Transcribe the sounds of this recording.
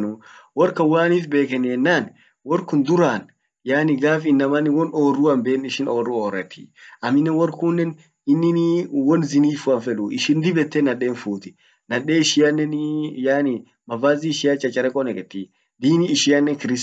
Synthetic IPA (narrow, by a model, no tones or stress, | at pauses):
nʊwɔɾkɐwaːnifbeːkɛnɛnːaːn | wɔɾkʊnd̪ʊɾaːn | jaːnɪɡaːfɪnːɐmɐnɪwɔnoːruɐmbeːnɪʃɪnoːrːuoːrːɛt̪ʰːi̥̰ʔɐmɪnːɛnwɔɾkuːnːɛn | ɪnːɪnwɔnzɪniːfuɐnfɛlʊʔɪʃɪnd̪ɪbɛt̪ːɛnɐᶑeːnfuːt̪ɪ̥ | nɐᶑeːɪʃɪjɐnːɛnjaːnɪ | mɐvaːziːʃɪjat͡ʃʼːɐt͡ʃʼːɐɾɛkʼɔnɛkɛt̪ːi | d̪iːniːʃɪjanːɛnkɪɾɪs